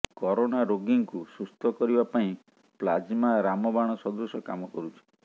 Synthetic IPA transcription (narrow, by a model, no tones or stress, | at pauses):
kɔɾoñaɾoɡiŋkusust̪ʰɔkɔɾibapaĩ | plad͡ʒmaɾamɔbaɽ̃ɔsɔd̪usɔka̰mɔkɔɾut͡ʃʰi̥